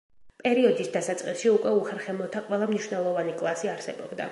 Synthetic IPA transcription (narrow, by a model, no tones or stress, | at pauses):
pʼɛɾiɔd̪isd̪asat̪sʼqʼisʃiukʼwɛuχɛɾχɛmɔt̪ʰaqʼwɛlˠamniʃwnɛlˠɔvanikʼlˠasiaɾsɛbɔ̰bd̪a̰